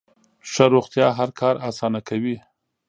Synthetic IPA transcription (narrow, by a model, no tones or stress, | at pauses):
ʂaɾoxt̪jɑɦaɾkʰɑɾasɑnakʰawi